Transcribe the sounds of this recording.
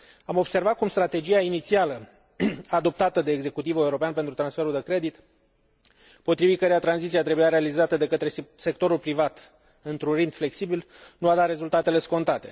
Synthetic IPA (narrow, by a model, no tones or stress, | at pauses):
amo̞bse̞rvat̪̚kumst̪ɾat̪e̞d͡ʒijainit̪sialə | ad̪o̞p̚t̪at̪əd̪e̞ːɡze̞kut̪ivueuɾo̞peanpent̪ɾut̪ɾansfe̞ɾuld̪e̞kɾe̞d̪it̪ | po̞t̪ɾivit̪̚kəɾeat̪ɾanzit̪siat̪ɾe̞bujaɾe̞alizat̪əd̪e̞kət̪ɾese̞k̚t̪o̞ɾulpɾivat̪ | ɨnt̪ɾunrind̪fle̞ksibilnuad̪at̪ɾe̞zult̪at̪e̞le̞sko̞nt̪at̪e̞